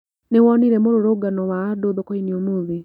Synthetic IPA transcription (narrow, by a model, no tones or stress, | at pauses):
newɔniɾɛmoɾoɾoɡanɔwaːdoðokoiniomuði